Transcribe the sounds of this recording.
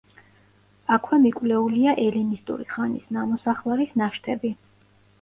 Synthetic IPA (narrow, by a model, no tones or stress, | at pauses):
akʰwɛmikʼwlɛuliaʔɛlinist̪ʼṵɾḭχanisnamɔsaχlˠɛɾisnaʃt̪ʰɛbi